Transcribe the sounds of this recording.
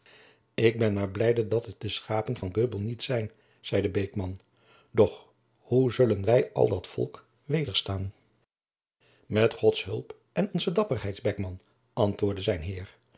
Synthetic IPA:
ɪɡ̚bɛnmaːɹblɛjdədɑtɛt̚dəsχaːpənvɑnɡøbəl̩ˠnitsɛjn | z̥ɛjdəbejkmɑn | dɔχ | huzɵlənʋɛjʔɑ̰lˠdɑtfɔ̰lˠk | ʋejdəɹstaːn | mɛtχɔtsɦɵlˠp | ʔɛnɔnzədɑpərɦɛjdzbɛkmɑn | ʔɑntʋʊːɹdəzɛjnɦɪːɹ

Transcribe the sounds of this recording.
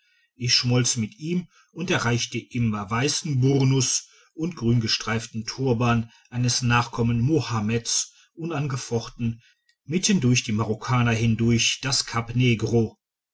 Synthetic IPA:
ʔɪçʃmɔlt͡səmɪtʔiːm | ʊntɛɐʁaɪçtəʔɪmɐvaɪsn̩bʊʁnʊs | ʔʊntɡ̥ʁyːnɡəʃtʁ̥aɪftn̩tʰuːɐbaːnʔaɪnəsnaːχkʰɔmənmohamɛts | ʔʊnanɡəfɔχtn̩ | mɪtʰndʊɐçd̥iːmaʁokʰaːnɐɦɪndʊɐçd̥askʰapneːɡʁo

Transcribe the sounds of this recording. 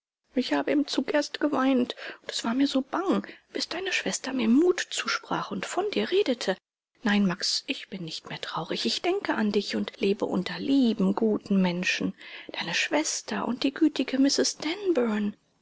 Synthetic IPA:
ʔɪçhaːbəɪmt͡suːkʔeːɐstɡ̥əvaɪntʊntɛ̥sv̥aːɐmiːɐzoːb̥aŋb̥ɪsd̥aɪnəʃv̥ɛstɐmiːɐmuːtt͡suːʃpʁ̥a̰ːχʊntfɔndiːɐʁeːdətʰə | naɪnmaksʔɪçb̥ɪnːɪçtmeːɐtʁ̥aʊʁɪçɪçd̥ɛŋkəʔandɪçʊntleːbə̰ʔʊ̰ntɐliːbm̩ɡuːtn̩mɛnʃn̩d̥aɪnəʃv̥ɛstʰɐʔʊ̰nt̚d̥iːɡyːtɪɡəmɪsɪsd̥ɛnbœn

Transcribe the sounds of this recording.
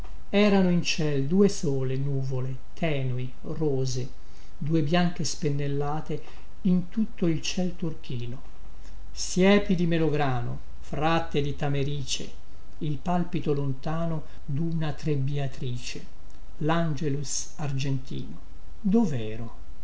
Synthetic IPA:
ɛːɾanoint͡ʃɛld̪uːesoːlenuːvole | t̪ʰɛːnoi | roːze | d̪uːebjaŋk̟espenːelːaːt̪e | int̪ut̪ːoilt͡ʃɛlt̪urk̟iːno | sjɛːpid̪imeloɡɾaːno̰ | fɾat̪ːed̪it̪ameɾiːt͡ʃḛ | ilpalpit̪olont̪aːno | d̪unat̪ɾebiat̪ɾiːt͡ʃe | land͡ʒelus | ard͡ʒent̪ḭːno | d̪ovɛːɾo

